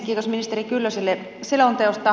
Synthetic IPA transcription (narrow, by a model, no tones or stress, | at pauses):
kikosminist̪eɾikylːøsilːe | selont̪eost̪ˑɑ